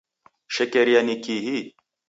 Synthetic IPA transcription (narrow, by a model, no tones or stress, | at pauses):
ʃekeɾjanikiɦi